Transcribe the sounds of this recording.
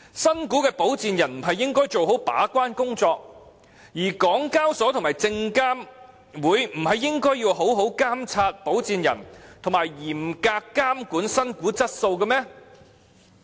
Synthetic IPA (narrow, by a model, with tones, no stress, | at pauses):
sɐ˥nkuː˨˥kɛː˧po˨˥wt͡siː˨njɐ˨˩nm̩˨˩ɦɐ˨jːɪ˥ŋkɔː˥jt͡so˨wɦo˨˥wpa̰ː˨˥kʷaː˥nkʊ˥ŋt͡sɔː˧k̚ | jiː˨˩kɔː˨˥ŋkaː˥wsɔː˨˥t̪ʰʊ˨˩ŋmaː˨˩jt͡sɪ˧ŋkaː˥m | wuː˨˥jm̩˨˩hɐ˨jːɪ˥ŋkɔː˥jːiː˧wɦo˨˥wɦo˨˥wkaː˥mt͡sʰaː˧t̚po˨˥wt͡siː˨˧njɐ̰˨˩nt̪ʰʊ˨˩ŋmaː˨˩jjiː˨˩mkaː˧kːaː˥mkuː˨˥nsɐ˥nkuː˨˥t͡sɐ˥t̚so˧wkɐ˧mɛː˥